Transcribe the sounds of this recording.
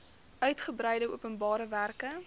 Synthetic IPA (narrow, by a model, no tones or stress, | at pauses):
ʔœɥtχəbrɛjdəuəpənbɑːɾəværkə